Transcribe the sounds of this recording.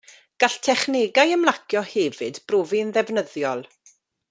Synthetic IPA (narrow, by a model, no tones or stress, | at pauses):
ɡ̥aɬtʰɛχneɡajəmlˠakʰjɔhɛvɨdb̥roːviənðɛvnəðjɔlˠ